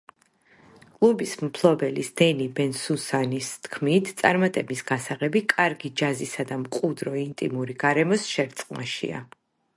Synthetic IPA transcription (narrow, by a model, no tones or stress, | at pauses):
kʼlˠubismpʰlˠɔbɛlisd̪̥ɛnibɛnsusanist̪ʰkʰmit̪ʰt̪sʼaɾmat̪ʼɛbisɡasaʁɛbikʼaɾɡid͡ʒazisad̪amqʼud̪ɾɔint̪ʼḭmuɾiɡ̥aɾɛmɔsʃɛɾt̪sʼqʼnaʃḭa̰